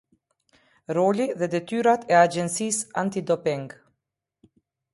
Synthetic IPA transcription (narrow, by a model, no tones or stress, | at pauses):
ɾɔliðɛd̪ɛt̪yɾat̪ʰɛad͡ʒɛnsisant̪id̪ɔpɛŋɡ